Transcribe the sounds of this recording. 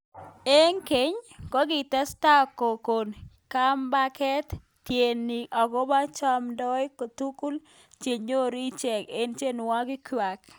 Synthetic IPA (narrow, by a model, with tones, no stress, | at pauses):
e˦ŋke˨˦ɲkɔ˦ɡɪ˨ta˦sta˦kːo˨ko˨n | ka˦mba˦kɛ˦t | tje˨nːi˨ʔɔ˨ɡɔ˦ba˦t͡ʃa˦mdɔ˦jko˨t̪u˦ku˦l | t͡ʃe˨ɲo˦ɾi˦t͡ʃɛ˨ke˦nt͡ʃe˦n˨wa˦ɡɪ˦kwa˨k